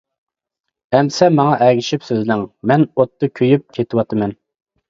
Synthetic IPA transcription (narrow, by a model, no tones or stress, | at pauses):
ɛmsɛmːɑŋɑʔɛɡʲiʃipsøzlɪŋmɛnot̪ːɨkʲʰøjyp̚kʲʰet̪ʰɪwɑt̪ʰɨmɛn